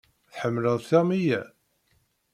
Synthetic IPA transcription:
θħəmːləðθæmijæ

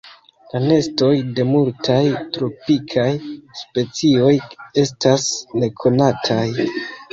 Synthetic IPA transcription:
lane̞sto̞jde̞multajtɾo̞pikʰajspe̞t͡sio̞je̞stasne̞kʰo̞natʰaj

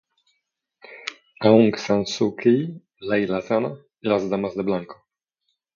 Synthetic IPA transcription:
auŋksansukʰij | lajlazana | ilazd̪amazd̪eblaŋko

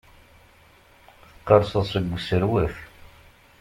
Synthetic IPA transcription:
θə̥qːɑɾˤsˤəðˤsəɡʷːsəɾwəf

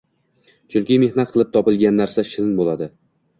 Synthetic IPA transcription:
t͡ʃʰʊŋkʲɪme̞hnat̪̚qʰɨlˠɪp̚t̪ʰɒpɪlˠɡʲanːaɾsaʃɪlnbolad̪ɪ

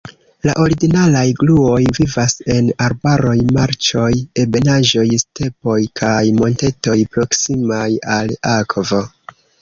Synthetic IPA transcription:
la̰ʔo̞ɾiɡinalajɡluo̞jvivase̞naɾbaɾo̞jmaɾt͡ʃo̞je̞be̞naʒo̞jste̞po̞jkʰajmo̞nte̞to̞jpɾo̞ksimajalakvo̞

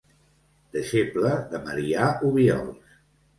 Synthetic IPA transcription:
d̪̥əʃepləðəməɾiauβjɔ̰lˠs

